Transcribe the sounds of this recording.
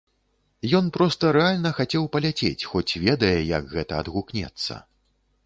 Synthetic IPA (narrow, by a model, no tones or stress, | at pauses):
jɔnpɾɔst̪ɐɾɛalʲnɐxat͡sʲɛwpɐlʲat͡sʲḛt͡sʲxɔt͡sʲvʲɛd̪ɐjɛjɐ̰kɣɛt̪ɐɐd̪ɣuknʲɛ̰t̪sːɐ̰